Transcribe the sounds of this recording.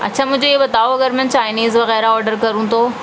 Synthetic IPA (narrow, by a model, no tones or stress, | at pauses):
ɐ̰tːt͡ɕʰamʊ̃ɦɪ̃d͡ʑoiebɐt̪aːoɐɡəɾmɐ̃t͡ɕaːɪniːzʋɐɣɛːɾaɔːɾɖəɾkɐɾũt̪ʰoː